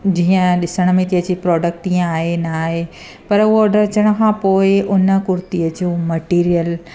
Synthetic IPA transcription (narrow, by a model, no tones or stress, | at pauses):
d͡ʑiːə̃ɗɪsəɽ̃̆mẽt̪iɦə̃d͡ʑipɾɔːɖək̚ʈiːə̃aːɦenaːɦe | pɐɾʊɦoːɖəɾt͡ɕəɽ̃əkʰãːpoːɪʔʊnə̆kʊɾt̪iəd͡ʑoːmɐʈiːɾijəl